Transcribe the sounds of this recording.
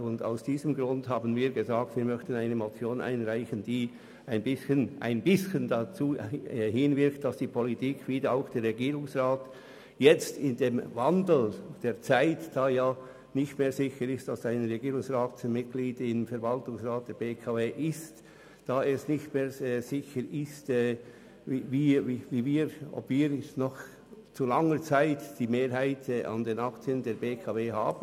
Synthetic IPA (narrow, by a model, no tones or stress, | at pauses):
ʊnda̰ʊsd̥iːzəmɡʁʊndhɦaːbn̩viːɡəzaːk̚tv̥iːɐmœçtən̩aɪnəmot͡sjoːnʔa̰ɪnʁaɪçənd̥iː | aɪnbɪsçənʔa̰ɪnbɪsçəndat͡suːhɪnvɪɐkt̚d̥asd̥iːpʰolitʰiːkʰv̥iːdəaʊxd̥eːɾʁɛɡiːʁʊŋsʁaːt | jɛt͡stɪndeːmvandl̩d̥eːɐt͡saɪtd̥aːjaː | nɪçtmeːzɪçəɾɪstd̥asaɪnʁɛɡiːʁʊŋsʁaːtmɪt̚ɡ̥liːdɪmfɛɐɾvaltʊŋsʁaːt̚d̥ɛːɐbeːkʰaːveːʔɪst | d̥aːɛsnɪçtmeːɾɛz̥ɪçəɾɪstɛː | iviːiviːviːɾɔ̰pv̥iːɾnɔχ | t͡sulaŋət͡saɪtd̥iːmeːɾɦaɪtʰɛʔɑ̰ndeːnakt͡siəndeːɾbeːkʰɑːveːɦa̰ːbn̩